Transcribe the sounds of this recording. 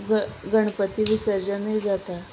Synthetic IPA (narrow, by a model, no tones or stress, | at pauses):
ɡəɳ̃pət̪iʋisəɾd͡ʑənəjd͡zat̪a